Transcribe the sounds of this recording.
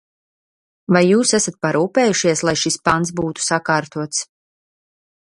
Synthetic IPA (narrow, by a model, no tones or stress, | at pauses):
vajːuːsɛsat̪̚paɾuːpɛːjuʃiɛslˠajʃispant̪s̬buːt̪u̥sakaːɾt̪uɔt̪s